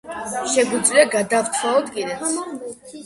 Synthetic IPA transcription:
ʃɛɡud̪zvliaɡad̪aft̪ʰwaɔd̪ɡiɾɛt̪

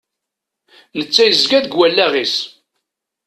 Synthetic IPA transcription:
nət͡sːæjəzɡæðɡwælːæʁis

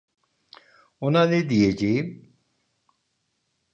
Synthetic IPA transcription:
onaned̪ijed͡ʒem

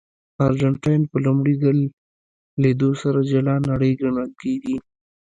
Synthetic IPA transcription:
ɑɾd͡ʒaɳʈajnpəlʊmɽiɡal | led̪osaɾad͡ʒalɑnaɽəjɡaɳalked̪i

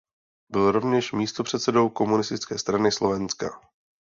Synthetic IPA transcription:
bɪlɾo̞vɲɛʃmiːst̪opr̝̥ɛt̪sɛdo̞wko̞munɪst̪ɪt͡skɛːst̪ɾanɪslo̞vɛnska̰

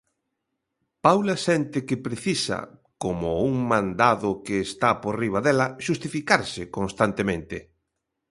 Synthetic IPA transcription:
pawlasɛnt̪ɪkɪpɾeθisɐ̰ | komʊuŋmãnd̪aðʊkeːst̪aporiβ̞aðɛlɐʃust̪ifikaɾsɪkõnst̪ant̪emẽnt̪ɪ

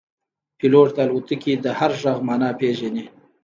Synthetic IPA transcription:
piloʈt̪alut̪əkid̪əhaɾʒaɣmɑːnɑpeʒani

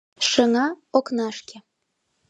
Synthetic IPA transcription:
ʃə̆ŋɑoknɑʃkʲĕ

